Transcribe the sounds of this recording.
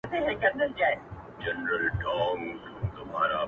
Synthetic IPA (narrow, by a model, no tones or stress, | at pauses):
t̪ʰeɦekɐ̃nd̪əld͡ʒaːe | d͡ʒɛnɾəlʈʰaːnt̪ʊmaːɾa